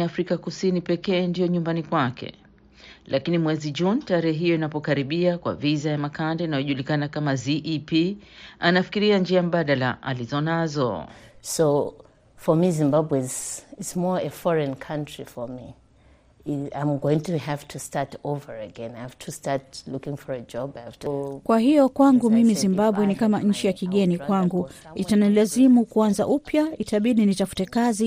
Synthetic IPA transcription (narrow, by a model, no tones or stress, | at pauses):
afɾikakusinipɛkɛːndijɔɲumbanikwakɛ̰ | lʔakinimwɛziʄuntaɾɛhɛɦijɔinapɔkaɾiɓiakwa̰vizajamakandɛinajɔʄulikanakamaziʔipi | anafi̥kiɾiand͡ʒiam̩ɓaɗala̰ʔa̰lizɔnazɔ̰so | fɔmizĩmbabwɛzɪtsmɔɹəfɔɹɛ̃nkʰãntɹ̥ifɔmi | ãɪ̃mɡoɪ̃ŋtʰuhaftʰustatovəɹəɡɛ̃naɪhaftʰustaɹt̚lukɪ̃ŋfɔɹəd͡ʒɔbajhaftʰukwaɦijɔkwaŋɡumimizimbaɓwɛnikamaɲ̩t͡ʃijakiɠɛnikwaŋɡuitanilazimukuanza̰ʔupjaitaɓiɗinitafu̥tɛkazi